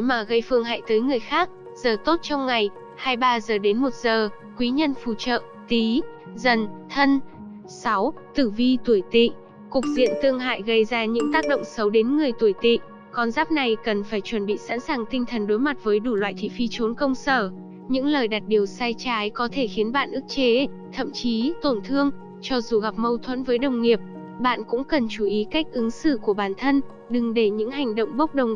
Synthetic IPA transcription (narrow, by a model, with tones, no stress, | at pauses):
maː˨˩ɣə˧jfɨ˧əŋɦa̰ː˧˨jt̪əː˨˦jŋɨ˨˩əjxaː˦˥k̚ | zəː˨˩t̪o˦˥t̚t͡ɕɔ˧wŋ͡mŋa˨˩j | haː˧jɓaː˧zəː˨˩ɗe˨˦nmo˨˩t̚zəː˨˩ | kwi˨˦ɲə˧nfu˧˩t͡ɕə̰ː˧˨ | t̪i˨˦ | zə˧˩nt̪ʰə˧n | sa˨˦wt̪ɨ˧˩vi˧t̪u˧˩əjt̪ḭ˧˨ | kʊ˨˩k̚zḭ˧˨ənt̪ɨ˧əŋɦa̰ː˧˨jɣə˧jzaː˧ɲɨ̰˧˥ŋt̪aː˦˥k̚ɗo̰˧˨wŋ͡msə˨˦wɗe˨˦nŋɨ˨˩əjt̪u˧˩əjt̪ḭ˧˨ | kɔ˧nzaː˦˥p̚na˨˩jkə˨˩nfaː˧˩jt͡ɕwə˧˩nɓḭ˧˨sa̰ː˧˥nsaː˨˩ŋt̪ï˧ŋ̟t̪ʰə˨˩nɗo˨˦jma˨˩t̚vəː˨˦jɗu˧˩lwa̰ː˧˨jt̪ʰḭ˧˨fi˧t͡ɕo˨˦nkə˧wŋ͡msəː˧˩ | ɲɨ̰˧˥ŋləː˨˩jɗa˨˩t̚ɗi˨˩əwsaː˧jt͡ɕaː˨˦jkɔ˨˦t̪ʰe˧˩xi˨˦ənɓa̰ː˧˨nʔɨ˦˥k̚t͡ɕe˨˦ | t̪ʰə̰˧˨mt͡ɕi˨˦t̪o˧˩nt̪ʰɨ˧əŋ | t͡ɕɔ˧zu˨˩ɣa˨˩p̚mə˧wt̪ʰwə̰˧˥nvəː˨˦jɗə˨˩wŋ͡mŋi˨˩əp̚ | ɓa̰ː˧˨nkʊ̰˧˥ŋ͡mkə˨˩nt͡ɕu˧˩ʔi˨˦ka˦˥k̚ʔɨ˨˦ŋsɨ̰˧˨ku˧˩əɓaː˧˩nt̪ʰə˧n | ɗɨ˨˩ŋɗe˧˩ɲɨ̰˧˥ŋha˨˩jŋ̟ɗo̰˧˨wŋ͡mɓə˦˥wk͡p̚ɗə˨˩wŋ͡m